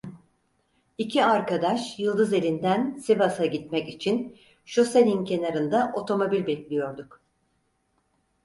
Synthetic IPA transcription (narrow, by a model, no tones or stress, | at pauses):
icʰiaɾkad̪aʃjɯlˠd̪ɯze̞lʲind̪ænsibasaɟit̪mɛcit͡ʃʰin | ʃoselʲincʰe̞naɾɯnd̪aʔo̞t̪ʰo̞mo̞bilʲbɛclʲijo̞ɾd̪uk